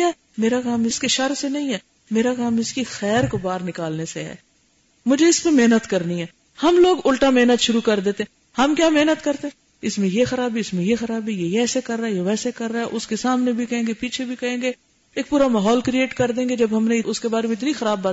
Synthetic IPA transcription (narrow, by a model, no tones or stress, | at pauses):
meːɾakaːmɪskeʃɐɾsenɐɦĩɦɛː | meːɾakaːmɪskixɛːɾkobaːɾnɪkaːlneseɦɛ̰ː | mʊd͡ʒʱeɪspemeɦnət̪kɐɾniɦɛː | hɐmloːɡʊlʈameːnət̪ʃʊɾukɐɾd̪eːt̪eɦɛ | hɐmkjaːmeɦnət̪kɐɾt̪eɦɛ̃ | ɪsmẽjexɐɾaːbiɪsmẽjexɐɾaːbijeɛːsekɐɾːaːɛjeʋɛːsekɐɾːaːɦɛʔʊskesaːmnebʱikɐẽːŋɡepiːt͡ʃʰebʱikɐẽːŋɡe | eːk̚puːɾamaːɦɔːlkɾieːʈkɐɾd̪ẽːŋɡed͡ʒɐbɦɐmneɪʔʊskebaːɾemẽɪt̪nixɐɾaːbːaː